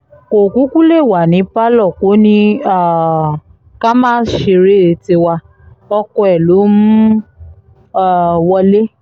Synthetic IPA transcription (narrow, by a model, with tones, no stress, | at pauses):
ko˨ku˨˦ku˦le˦˨wa˨nĩ˨˦pa˦lɔ˦˨ko˨˦nĩ˧a˦˨ | ka˦mãː˦˨n̩˦ʃe˧ɾe˦˨˦ti˧wa˧ | ɔ˧kɔ˧ɛ˨lo˨˦mũ˦ | a˦˨wɔ˧le˦